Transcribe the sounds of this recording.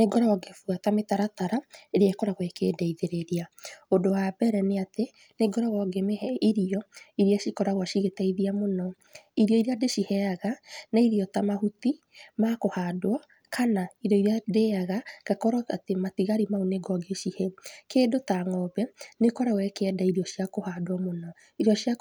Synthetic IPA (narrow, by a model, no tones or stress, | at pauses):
neɡɔɾɔɔɡefuatametaɾataɾaeɾeaekɔɾaɣwɛkḛdɛiðeɾeɾiaodowabɛɾɛneate | neɡɔɾɔɣɔɡemeiɾiɔiɾiaʃikɔɾaɣwaʃiɣetɛiðiamonɔ | iɾiɔiɾiadeʃihɛaɣanaiɾiɔtamahuti | makohadwɔ | kʰanaiɾɔiɾiadeaɣaɡ̥akɔɾɔatematiɣaɾimaoneɡɔɡeʃihɛkeːdotaŋɔbɛnekɔɾaɣwɛkɛːdaiɾiɔʃiakohadwɔmonɔ | iɾiɔʃia